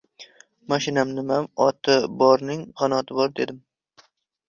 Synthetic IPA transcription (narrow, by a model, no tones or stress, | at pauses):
mɒʃɪnamnɪmamɒt̪ʰabɒɾnɪŋqɒnɒt̪ʰɪbɒɾd̪e̞d̪ɪm